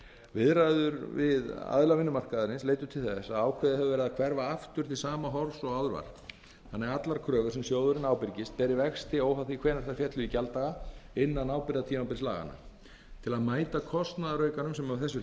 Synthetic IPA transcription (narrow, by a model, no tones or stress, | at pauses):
vɪðɾajðʏɾvɪða̰ðlavɪnːʏmar̥kaðɪɾɪnsleːjt̪ʏ̥t̪ʰɪlθɛsaðaːwkʰvɛːðɪhɛvʏvɛɾɪðakʰvɛɾvaaft̪ʏɾ̥t̪ʰɪlsaːmaɦɔɾsɔɣaðɾva̰ɾ̥ | hanːaat̪laɾkʰɾœːɣʏɾ̥sɛmsjoːwðʏɾɪnaːwpɪɾcɪst̪̚pɛːɾɪvɛxst̪ɪoːwhaθikʰvɛːnaɾ̥θaɾfjɛt̪lʏicalt̪aɣaɪnːanaːwpɪɾðat̪ʰiːmapɪɾsla̰ːɣa̰na̰ | t̪ʰɪlaðmaːjt̪akʰɔst̪naðaɾœːɥkanʏmsɛmaθɛsːʏ